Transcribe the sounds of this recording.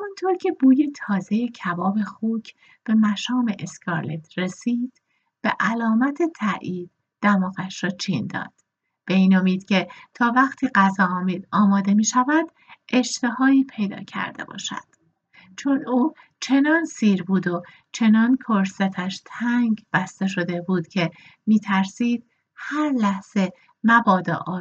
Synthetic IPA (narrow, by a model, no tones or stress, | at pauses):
hmunt̪ʰoɾcʰe̞buːjet̪ʰɒːze̞je̞cʰævɒːbe̞xuːcʰ | b̥e̞mæʃɒːme̞ʔeskʰɑɾlet̪ʰɾe̞siːd̪̥ | b̥e̞̰ʔælɒːmæt̪ʰe̞t̪ʰæʔiːd̪̥̚ːæmɒːɣæʃɾɒːt͡ʃʰiːnd̪ɒ̰ːd̪̥ | b̥e̞iːnomiːd̪̥cʰe̞t̪ʰɒːvæχt̪ʰiːɢæzɒːmiːd̪ɒːmɒːd̪e̞miːʃævæd̪̥ | ʔe̞ʃt̪e̞hɒːiːpʰe̞jd̪ɒ̰ːcʰæ̰ɾd̪e̞̰bɒ̰ːʃæ̰d̪̥ | t͡ʃʰo̞nuː | t͡ʃʰe̞nɒːnsiːɾbuːd̪o̞ | t͡ʃʰe̞nɒːnkʰoɾset̪ʰæʃt̪ʰæŋɡb̥æst̪e̞ʃo̞d̪e̞buːd̪̥cʰe̞ | miːt̪ʰæɾsiːd̪̥̚ | hæɾlæhz̥e̞ | mæbɒːd̪ɒ̰ːʔɒː